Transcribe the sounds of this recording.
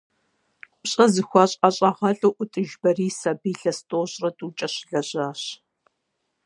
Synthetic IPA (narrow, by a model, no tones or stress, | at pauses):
ɕʼɐzɨxʷɑɕʼɐɕʼɐʁɐɬʼoʔʷʊtʼɨʒbɐriːsɐbiːɬɐstʼoːɕʼrɐtʼuːt͡ʃʼɐɕɪɮɐɕaːɕ